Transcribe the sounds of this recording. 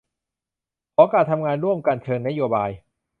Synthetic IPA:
kʰɔː˧˦kaː˨˩t̪ʰːa˧mŋaː˧nɾu˥˩əmka˧nt͡ɕʰɤː˧ŋna˦˥joː˧baː˧j

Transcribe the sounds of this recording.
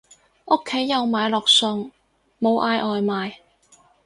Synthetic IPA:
o˥kʰːe˨˥jːɐ˨˧wmaː˨jlɔː˨˩k̚sɵ˧ŋ | mo˨˧wʔaː˧jʔɔː˨jmaː˨j

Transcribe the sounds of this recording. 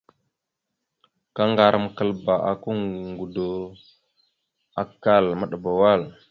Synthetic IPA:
ka˦ŋɡa˨ɾə˦˨m˨kə˨lba˨ʔa̰˨ku˦ŋ˨ŋɡu˨do˨ | a̰˨kːa˦˨lmə˦ɗə˨ba˨wa˦˨l

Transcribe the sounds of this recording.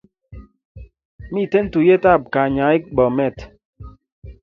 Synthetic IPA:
mi˦˨te˦n̩˦tu˨je˦ta˦˨p̚ka˨ɲa˨˦i˦k̚bɔ˨mɛ˦˨t

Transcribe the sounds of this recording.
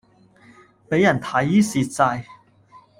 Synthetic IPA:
pe˨˥ja˨˩nt̪ʰa˨˧˥ji˦˥si˨˧t͡sa˧j

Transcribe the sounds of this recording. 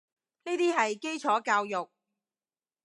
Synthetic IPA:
niː˥t̪iː˥ɦɐ˨jke˥jt͡sʰɔː˨˥kaː˧wjʊ˨k̚

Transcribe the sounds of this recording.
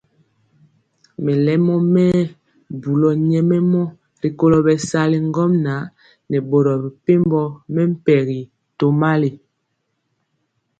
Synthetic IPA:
mɛ˨lɛ˦mɔ˦mɛ˦ | bu˨lɔ˨ɲɛ˦mɛ˦mɔ˦ | ɾi˨ko˦lɔ˨bɛ˨sa˦li˨ŋ˦ɡɔ˦mna˨˦ | nɛ˨bo˨ɾɔ˨bi˨pe˦mbɔ˦mɛ˦m̩˦pɛ˨ɣi˨ | to˨ma˦li˨

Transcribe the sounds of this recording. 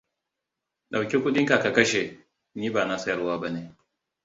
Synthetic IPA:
ɗa˨wkʲi˦kʷʊ˦ɗɪ˦ŋka˨ka˨kɐ˦ʃe˨ | niː˦baː˨na˦sɐ˦jɐ˨rwaː˦ba˦neː˦

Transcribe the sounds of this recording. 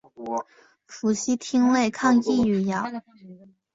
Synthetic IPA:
fu˧˥ɕi˥t̪ʰi˥ŋle˥˧ɪkʰɑ˥˧ŋi˥˩y˨˩jɑ˨˩˦ʊ

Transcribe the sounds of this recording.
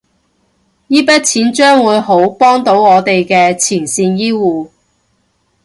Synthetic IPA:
jiː˥pɐ˥t̚t͡sʰiː˨˥nt͡ʃœː˥ŋwuː˨˧jɦo˨˥wpɔː˥ŋt̪o˨˥wɔː˨˧t̪e˨jkɛː˧t͡sʰiː˨˩nsiː˧njiː˥wuː˨˧

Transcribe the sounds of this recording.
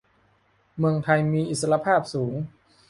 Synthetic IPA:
mɯ˧əŋt̪ʰa˧jmiː˧ʔi˨t̪̚sa˧la˧pʰaː˥˩p̚suː˩˦ŋ

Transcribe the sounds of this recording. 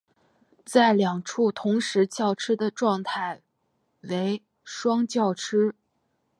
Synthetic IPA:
t͡sa˥˩ɪljɑ˨˩ŋʈ͡ʂʰu˥˩t̪ʰʊ˧˥ŋʂɻ̩˧˥t͡ɕjɑ˥˩ʊʈ͡ʂʰɻ̩˥d̪ə˨ʈ͡ʂwɑ˥˧ŋt̪ʰa˥˩ɪ | we˧˥ɪ | ʂwɑ˥ŋt͡ɕjɑ˥˩ʊʈ͡ʂʰɻ̩˥

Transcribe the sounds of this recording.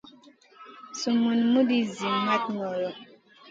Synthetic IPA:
su˨mu˨nmu˦di˦zi˨ma˦t̚nɔ˨lɔ˨

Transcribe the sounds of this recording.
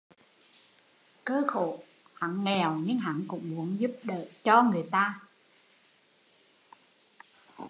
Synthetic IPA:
kəː˧˦xo̰˧˨ | ha̰˧˥nŋɛ˨˩wɲɨ˧ŋɦa̰˧˥nkʊ̰˧˥wŋ͡mmu˧˦ənzu˦˥p̚ɗəː˧˨t͡ɕɔ˧ŋɨ˨˩əjt̪aː˧

